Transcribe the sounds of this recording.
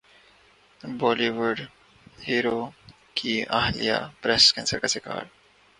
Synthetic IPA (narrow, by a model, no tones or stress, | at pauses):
bɔːliʋʊɾɖ | hiːɾo | kʰiaɦlḭja̰pɾɛsʈkɛ̃ːnsəɾkasɪka̰ːɾ